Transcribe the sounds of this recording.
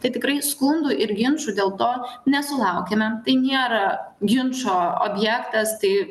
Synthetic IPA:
t̪ɐɪt̪ʲɪkɾɐɪskʊnd̪ʊʔɪɾɡʲɪnʃʊd̪ʲeːlˠt̪oːnʲɛsʊlˠɐʊkʲɛmʲɛt̪ɐɪnʲeːɾɐɡʲɪnʃoːo̰ːbʲjɛkt̪ɐst̪ɐɪ

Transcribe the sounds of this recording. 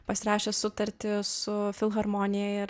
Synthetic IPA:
pɐsʲɪɾɑːʃʲeːsʊt̪ɐɾʲt̪ʲɪsʊfʲɪlˠɣɐɾmoːnʲɪjɛɪɾ

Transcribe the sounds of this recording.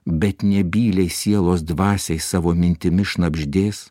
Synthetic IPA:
bʲɛt̪nʲɛbʲiːlʲɛɪsʲiɛlˠoːsd̪ʋɑːsʲɛɪsɑːʋoːmʲɪnʲt̪ʲɪmʲɪʃnɐbʲʒʲd̪ʲeːs

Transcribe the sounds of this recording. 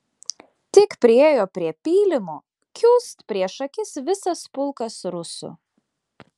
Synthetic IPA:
t̪ʲɪkpʲɾʲɪeːjoːpʲɾʲiɛpʲiːlʲɪmoː | kʲuːst̪pʲɾʲiɛʃɐkʲɪsʋʲɪsɐspʊlˠˑkɐsɾʊsʊ̰

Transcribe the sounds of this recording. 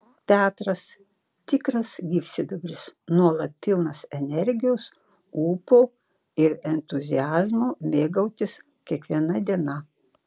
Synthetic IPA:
t̪ʲæːt̪ɾɐs | t̪ʲɪkɾɐsɡʲiːfʲsʲɪd̪ʊbʲɾʲɪsnuɔlˠɐt̪̚ːʲɪlˠnɐsɛnʲɛɾʲɡʲɪjoːs | uːpoː | ɪɾɛnʲt̪ʊzʲɪjæːzmoːmʲeːɡɐʊt̪ʲɪs | kʲiɛkʋʲiɛnɐd̪ʲiɛnɐ

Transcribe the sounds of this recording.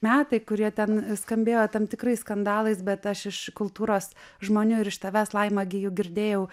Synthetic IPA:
mʲæːt̪ɐɪkʊɾʲiɛt̪ʲɛnskɐmʲbʲeːjoːt̪ɐmt̪ʲɪkɾɐɪsskɐnd̪ɑːlˠɐɪsbʲɛt̪ɐʃɪʃkʊlˠt̪uːɾoːsʒmoːnʲʊɪɾɪʃt̪ɐʋʲæːslˠɐɪmɐɡʲɪjoʊɡʲɪɾʲd̪ʲeːjɛʊ

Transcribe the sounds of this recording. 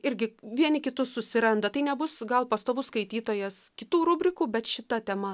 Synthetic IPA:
ɪɾʲɡʲɪʋʲiɛnʲɪkʲɪt̪ʊssʊsʲɪɾɐnd̪ɐt̪ɐɪnʲɛbʊsɡɐlˠpɐst̪oːʋʊskɐɪt̪ʲiːt̪oːjɛskʲɪt̪uːɾʊbʲɾʲɪkuːbʲɛt̪ʃʲɪt̪ɐt̪ʲɛmɐ

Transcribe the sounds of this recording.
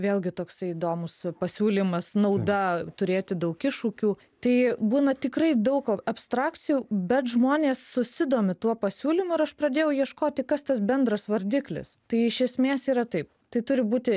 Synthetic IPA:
ʋʲeːlˠʲɡʲɪt̪oːksɐɪiːd̪oːmʊspɐsʲuːlʲiːmɐsnɐʊd̪ɐt̪ʊɾʲeːt̪ʲɪd̪ɐʊkɪʃuːkʲuː | t̪ɐɪbuːnɐt̪ʲɪkɾɐɪd̪ɐʊkɐpst̪ɾɑːkt͡ssʲɪjuːbʲɛt̪ʒmoːnʲeːsːʊsʲɪd̪oːmʲɪt̪uɔpɐsʲuːlʲimʊɪɾɐʃprɐd̪ʲeːjɛʊjiɛʃkoːt̪ʲɪkɐst̪ɐsbʲɛnd̪ɾɐsʋɐɾʲd̪ʲiklʲɪ̰st̪ɐɪɪʃʲɛsʲmʲeːsiːɾɐt̪ɐɪp̚ | t̪ɐɪt̪ʊɾʲɪbuːt̪ʲɪ

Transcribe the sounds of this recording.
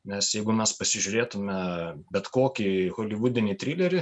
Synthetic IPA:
nʲɛsjɛɪɡʊmʲɛspɐsʲɪʒʲʊɾʲeːt̪ʊmʲɛbʲɛt̪koːkʲixoːlʲɪʋuːd̪ʲɪnʲɪt̪ʲɾʲilʲɛɾʲɪ

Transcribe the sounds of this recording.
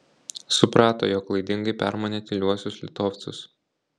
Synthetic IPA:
sʊpɾɑːt̪o̰ːjoːklˠɐɪd̪ʲɪŋɡɐɪpʲæ̰ˑɾmoːnʲeːt̪ʲɪlʲuɔsʲʊslʲɪt̪oːfʲt̪sʲʊs

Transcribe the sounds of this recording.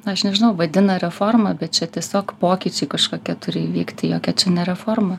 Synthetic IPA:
ɐʃnʲɛʒʲɪnɐʊʋɐd̪ʲɪnɐɾʲɛformɐbʲɛt̪̚t͡ʃʲɛt̪ʲiɛsʲoːkpoːkʲiːt͡ʃʲɛɪkɐʃkoːkʲiɛt̪ʊɾʲɪiʋʲiːkt̪ʲɪjoːkʲɛt͡ʃʲɛnʲɛɾʲɛfoːrmɐ

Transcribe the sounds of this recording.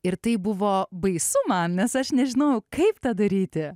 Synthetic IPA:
ɪɾt̪ɐɪbʊʋoːbɐɪsʊmɐnnʲɛsɐʃnʲɛʒʲɪnoːjʊkɐɪpt̪ɐd̪ɐɾʲiːt̪ʲɪ

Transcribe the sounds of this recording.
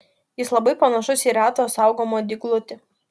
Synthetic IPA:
jɪslˠɐbɐɪpɐnɐʃʊsiːɾɑːt̪oːsɑˑʊɡoːmoːd̪ʲɪɡlˠʊt̪ʲɪ

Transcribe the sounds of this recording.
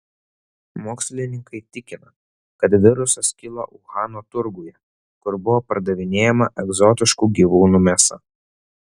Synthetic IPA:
moːksʲlʲɪnʲɪŋkɐɪt̪ʲɪkʲɪnɐ | kɐt̪ʋʲɪɾʊsɐskʲɪlˠɐ̰ʔʊɣɑːnoːt̪ʊɾɡuːjɛ | kʊɾbʊʋoːpɐɾd̪ɐʋʲɪnʲeːjɛmɐʔɛɡzɔt̪ʲɪʃkuɡʲiʋuːnuːmʲesɐ̰

